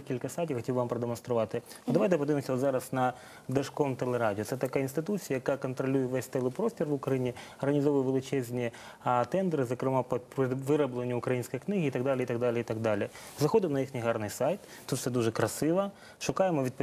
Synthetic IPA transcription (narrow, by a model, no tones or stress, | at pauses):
kʲilʲkɐsajt̪ʲjaxɐtʲibʋampɾɐd̪emɔnst̪ɾʊʋɑt̪ɪɔd̪ɐʋajt̪ɛpɐd̪ɪʋʲɪmsʲɐɔd̪zɑɾɐsnɐ | d̪ɐʂkomt̪elˠeɾadʲɪɔt̪sɛt̪ɐkajɐinst̪ɪt̪ut͡sʲijɐjɐkakɐnt̪ɾɐlʲujɛʋɛsʲt̪ɛlˠɪpɾosʲtʲɪrʋʊkɾɐjinʲiɐrɣɐnʲizɔʋʊjɛʋelˠɪt͡ʃɛzʲnʲiɛ | t̪ɛnd̪ɾɨzɐkɾɪmapɐpɾɪʋɪɾɐblˠenʲːʊʊkɾɐjinʲsʲkojknɪɣɪit̪ɐɡd̪alʲɪit̪ɐɡd̪alʲɪit̪ɐɡd̪alʲɪ | zɐxod̪ɪmnɐjixnʲɪɦɑrnɪjsajt̪ | t̪ut̪fsɛd̪uʒɛkɾɐsɪʋɐ | ʃʊkɑjɪmɔʋʲid̪̚pɐ